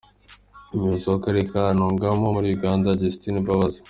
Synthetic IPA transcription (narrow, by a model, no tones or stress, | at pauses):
imuzokaɾekaanoːŋɡamomuɾiuɡaːndaɟestinibaβaza